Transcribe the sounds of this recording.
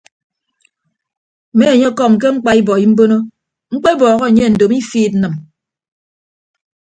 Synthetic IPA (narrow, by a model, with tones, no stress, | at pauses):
me˦e˨ɲe˦kɔ˦˨m˨k̬e˦ŋ͡m̩˦k͡pa˦i˦bɔ˨i˦m̩˦bo˦no˦ | ŋ͡m̩˦k͡pe˦bɔː˨ɣɔ˦˨ɲe˦n̩˨do˨mi˦fiː˦˨t̚n̩˦nɨ˨m